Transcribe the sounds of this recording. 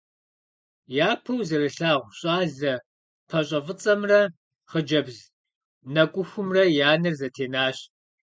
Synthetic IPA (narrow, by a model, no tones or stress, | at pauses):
jaːpʰɐwzɐɾɨɬaːʁʷɕʼaːɮɐ | pʰɐɕʼɐvɨt͡sʼɐmrɐ | χəd͡ʒɐbz | nɐkʷʼʊxʷʊmrɐjaːnɨrzɐtʰeːnaːɕ